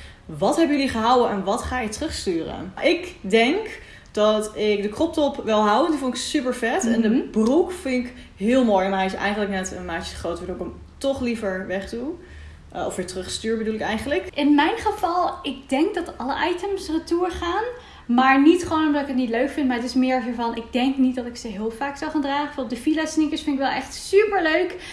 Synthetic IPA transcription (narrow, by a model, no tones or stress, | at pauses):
ʋɑtɦɛbəjəliχəɦawəʔɛnʋɑtχaːjətərɵχstyːrə̰ʔɪkdɛŋk | d̥ɑtɪk̚dəkrɔp̚tɔpʋɪlˠɦawəndifonɪksypəɹfɛtɛndəbrukfɪnɪk | ɦɪːlˠmoːjɛnajsʔɛ̰jχənləknɛtənmajtə̥χrowtʋəɹdoːkəm | tɔχlivəɹʋɛχdu | ɔ̰fʋɪːɹtərɵχstyːɹbədulɪkɛjχənləkʔɪnmɛjnχəv̥ɑlˠɪɡ̚dɛŋk̚dɑtɑləʔɑjtəmsrətuːɹχaːn | maːɹnitχəʋownɔmdɑtɪkətnitløɥkfɪntmaɹətɪsmɪːɹvəɹvɑnʔɪɡ̚dɛŋknit̚dɑtɪksəɦɪːlˠfaːksawχaːndraːχəfɔnɔp̚dəfilasnɪkəsfɪntɪkʋɛlˠɛχtsypəɹløɥk